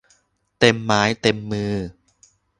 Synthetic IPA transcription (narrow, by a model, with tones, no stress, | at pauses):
t̪e˧mːaː˩˦˥jt̪e˧mːɯː˧